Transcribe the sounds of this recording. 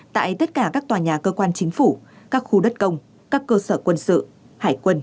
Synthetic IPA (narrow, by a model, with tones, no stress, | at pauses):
t̪a̰ː˧˨jt̪ə˦˥t̚kaː˧˩kaː˦˥k̚t̪waː˨˩ɲaː˨˩kəː˧kwaː˧nt͡ɕï˨˦ŋ̟fu˧˩ | kaː˦˥k̚xu˧ɗə˦˥t̚kə˧wŋ͡m | kaː˦˥kːəː˧səː˧˩kwə˧nsɨ̰˧˨ | haː˧˩jkwə˧n